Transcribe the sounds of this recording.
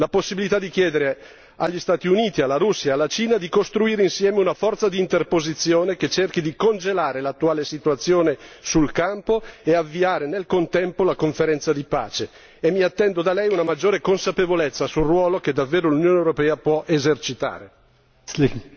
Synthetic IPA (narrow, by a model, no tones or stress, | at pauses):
laposːibilit̪ad̪ːikjɛːd̪eɾe | aʎːist̪aːt̪iuniːt̪ialːaɾusːjaːlːat͡ʃiːnad̪ikost̪ɾuiːɾeinsjɛːmeunafɔrt̪sad̪iːnt̪erpozit̪sːjoːnek̟et͡ʃerk̟id̪ikond͡ʒelaːɾelat̪ːuaːlesit̪uat̪sːjoːnesulkampoeavːiaːɾenelkont̪ɛmpolakoɱfeɾɛnt̪sad̪ipa̰ːt͡ʃeː | mːiat̪ːɛnd̪od̪alɛjunamad͡ʒːoːɾekonsapevolet̪sːasulrwɔːlok̟ed̪avːeːɾolunjoːnewɾopɛːapwɔʔezert͡ʃit̪a̰ːɾḛ